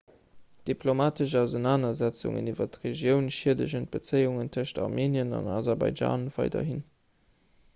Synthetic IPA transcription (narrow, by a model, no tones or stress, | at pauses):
d̥ipʰlomaːtəʃaʊzənaːnɐzæt͡sṵŋə̰nivɐtʁeʒjəʊnʃiːɐdəʑənt̚b̥ət͡səɪuŋəntʰəʃtɑ̰ʁmʔeːniənɑ̰nɑ̰zɑʁbɑ̰ɪʒa̰ːnv̥ɑ̰ɪdɐ̰ɦin